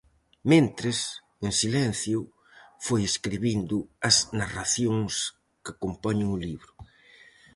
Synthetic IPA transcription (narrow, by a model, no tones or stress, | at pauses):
mẽnt̪ɾɪs | eŋsilɛn̟θjʊ | fojeskɾiβind̪ʊɐznaraθjoŋs | kɪakompɔɲɪŋʊliβɾʊ